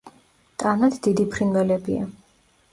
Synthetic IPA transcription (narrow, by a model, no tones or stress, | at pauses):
t̪ʼanad̪d̪id̪ipʰɾinvɛlɛbia̰